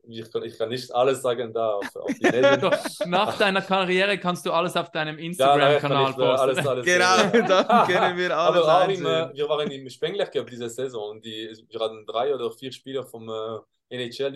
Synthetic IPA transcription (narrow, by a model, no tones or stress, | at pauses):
vikʰanɪçkʰanːɪçtaləsz̥aːɡəndaːfa̰ʊfd̥inɛndɔnaːχd̥aɪnɐkaʁjɛːʁəkʰanst̚d̥uːaləsaʊfd̥aɪnəmɪnstjaːʁaakʰanaːlpoaləsaləɡenaʊdakɛnənviːɾaaːbəaʊɪmːviːʁvaːʁənɪmʃpɛŋlɛʁkøb̚d̥iːzəzɛzɔ̃ːʊnt̚d̥iːviːhaːtən̩dʁaɪoːdəfiːʁʃpiːləfɔmɛ | ʔɛnet͡ʃɛl